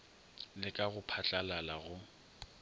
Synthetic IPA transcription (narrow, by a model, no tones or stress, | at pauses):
lɪkʼaɣʊpʰat͡ɬʼalalaɣʊ